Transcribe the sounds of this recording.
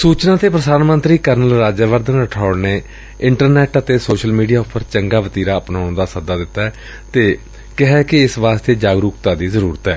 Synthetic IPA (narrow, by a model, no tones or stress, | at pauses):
suːt͡ʃnãːt̪eːpɾəd̪aːnmənt̪ɾiːkəɾnəlɾaːd͡ʒaːʋəɾd̪ʱənɾəʈʰaːɽneː | ɪɳʈəɾnɛːʈət̪eːsoːʃəlmiːɖijaːʊpːəɾt͡ʃəŋɡaːʋət̪iːɾaːəpnaːɽ̃d̪aːsəd̪aːd̪ɪt̪ːaːɛ | t̪eː | kɪɦɛːkɪɪsʋaːst̪eːd͡ʒaːɡɾuːkt̪aːd̪iːzəɾuːɾət̪ɛː